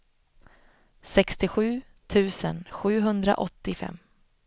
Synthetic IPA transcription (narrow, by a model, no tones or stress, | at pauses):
sɛkst̪ɪɧʉ̟ː | t̪ʰʉ̟ːsə̰nɧʉ̟ːɦɵnd̪ɾa̰ʔɔt̪ːɪfɛ̰mː